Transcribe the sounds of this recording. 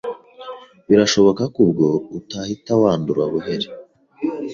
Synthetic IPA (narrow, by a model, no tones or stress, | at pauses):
βiɾaʃo̞βo̞kakubɡo̞utahitawaːnduɾaβuɦe̞ɾe